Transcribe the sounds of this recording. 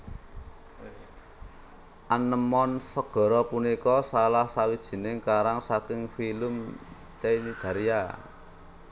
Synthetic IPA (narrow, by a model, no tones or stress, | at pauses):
ʔanəmɔnsəɡ̥ɔ̤ɾɔpunikɔsalahsawid̥ʒ̥i̤nɪŋkaɾaŋsakɪŋfilʊm | t͡ʃeinid̪̥ä̤ɾia